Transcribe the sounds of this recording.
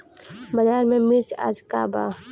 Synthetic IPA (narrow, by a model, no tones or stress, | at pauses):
bɐjaːɾmẽmiɾt͡ʃa̰ːd͡ʒkaːba̰ː